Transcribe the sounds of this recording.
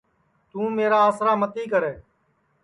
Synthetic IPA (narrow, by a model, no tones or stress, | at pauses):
t̪ũːmeːɾaːəsɾaːmət̪iːkəɾeː